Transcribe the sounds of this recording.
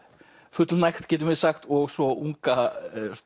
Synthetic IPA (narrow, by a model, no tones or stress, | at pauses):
fʏt̪lnajxt̪cɛːt̪̬ʏmɛðsaxt̪ɔɣsɔuŋka